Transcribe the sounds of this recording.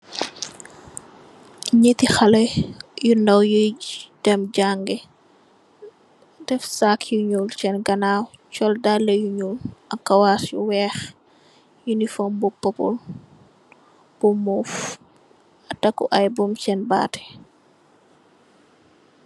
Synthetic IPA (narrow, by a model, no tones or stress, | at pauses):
ɲetixɐlɐjunɐwjud̥ɛmɟaŋɡɛ | d̥ɛfsakʰjuɲult͡ʃɛnɡɐnaːwt͡ʃɔldalːɐjuɲuːlɐkːɐwasjṵwɛːx | junifɔmbupːɔpṵl | b̥umuf | ɐtɐkːuʔɐjbumt͡ʃɛnba̰ːtɛ̥